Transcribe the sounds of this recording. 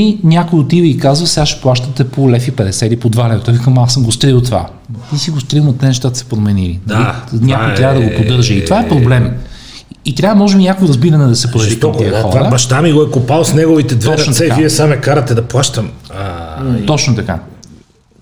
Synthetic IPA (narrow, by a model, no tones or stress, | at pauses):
inʲakojot̪ivəikazvəsɛaʃɛ̥plˠaʃt̪ət̪ɛpolɛfipɛd̪ɛsɛilipod̪valɛvt̪ɔvikɐmasəmɡost̪ɾilˠt̪va̰ | t̪isiɡost̪ɾilˠnɐt̪ɛnɛʃ̬t̪ad̪ɐsɛ̥pɾomɛnilinlinʲakojt̪ɾʲjavəd̪ɐɡopod̪ɤɾʒəit̪vaɛpɾoblɛm | it̪ɾʲavəmɔʒɛbinʲakojɾɐzbiɾɐnɛd̪ɐsɛpɾɐlip̪ot̪iɐxɔvaɾəbɐʃt̪amiɡoɛkopalˠsnɛɡovit̪ɛd̪vt̪noɛkaviɛsamɛkaɾɐt̪ɛd̪ɐplˠaʃt̪ɐmat̪ɔt͡ʃnot̪ɐka̰